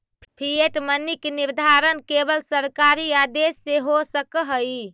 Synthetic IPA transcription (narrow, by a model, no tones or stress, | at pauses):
pʰieʈmənikeniɾd̪ʱaɾənkebəlsəɾkaɾiad̪esːeɦosəkəɦəj